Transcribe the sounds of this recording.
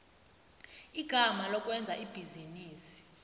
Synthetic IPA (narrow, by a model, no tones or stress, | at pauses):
iɡ̥ʱamalɔkʼwɛnd͡zʱa̰ʔib̥ʱiziniːsi̥